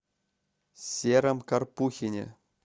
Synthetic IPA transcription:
sʲeɾʲɘ̆mkɑrpuxʲinʲḛ̆

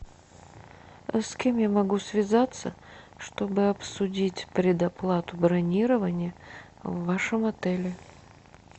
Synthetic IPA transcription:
skʲemjamɐɡusvʲɪzat̪sːə̰ | ʂt̪o̞bɨɐpsʊdʲitʲpɾʲɪd̪ɐplˠat̪ʊbɾɐnʲiɾəvənʲɪjə | vːaʂɨmɐt̪ɛlʲɪ

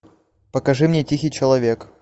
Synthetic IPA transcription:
pəkɐʐɨmnʲetʲixʲɪjt͡ɕɪlˠɐvʲe̞k

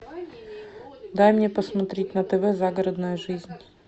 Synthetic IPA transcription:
d̪ajmnʲepəsmɐt̪ɾʲetʲnət̪ɛvɛzaɡəɾəd̪nəjəʐɨzʲnʲ

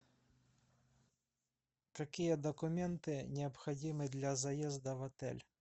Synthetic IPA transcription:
k̪akʲijɐd̪ɐkʊmʲɛnt̪ɪnʲɛɐpxɐd͡zʲimɨd̪lʲɐzajɛzd̪ɐvɐt̪ɛ̰lʲ

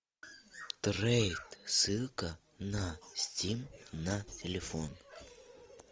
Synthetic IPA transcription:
t̪ɾejt̪sɨlˠkə | nɐsʲtʲimnɐtʲɪlʲɪfon

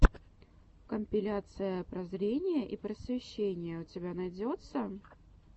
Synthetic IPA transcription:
kəmʲpʲɪlʲat̪sɨjəpɾɐzɾʲenʲɪjəʔipɾəsvʲɪɕːenʲɪjəʊt͡sʲɪbʲanɐjdʲot̪sə

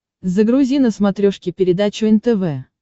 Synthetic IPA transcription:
zəɡɾʊzʲinəsmɐt̪ɾʲoʂkʲɪpʲɪɾʲɪd̪at͡ɕʊɛnt̪ɛvɛ

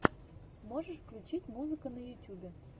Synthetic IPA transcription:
moʒəʂfklʲut͡ɕitʲmuzɨkənɐjutʲubʲe

